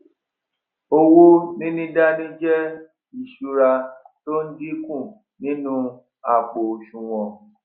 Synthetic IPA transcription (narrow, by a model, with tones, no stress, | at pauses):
o˧wo˦nĩ˦nĩ˦da˦nĩ˦d͡ʒɛ˦ | i˨ʃu˧ɾa˧ | to˦n̩˦di˦kũ˦˨ | nĩ˨˦nũ˦ | a˨k͡po˨ʃũ˨w̃ɔ̃˨˧